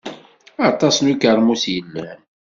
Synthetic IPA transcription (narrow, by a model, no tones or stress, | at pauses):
ɑt̪ˤɑsnukəɾˤmusjəlːəhn